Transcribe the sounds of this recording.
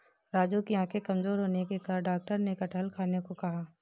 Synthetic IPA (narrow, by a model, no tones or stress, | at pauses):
ɾaːd͡ʒukiãːkʰekɐmzoːɾɦoːnekekaɖaːk̚ʈəɾnekɐʈʰəlkʰaːnekokɐɦaː